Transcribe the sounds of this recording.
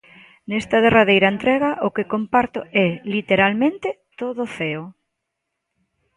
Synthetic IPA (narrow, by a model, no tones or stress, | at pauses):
nɛst̪ɐð̞eraðejɾaent̪ɾɛɣaʔʊkekompaɾt̪ʊɛlit̪eɾalmẽnt̪ɪ | t̪oðʊθeʊ